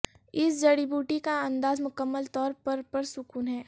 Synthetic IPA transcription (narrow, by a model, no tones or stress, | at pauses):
ɪsd͡ʒɐɽibuːʈikaɐ̃nd̪aːzmʊkəmːəlt̪ɔːɾpɐɾpɐɾsʊkuːnɦɛː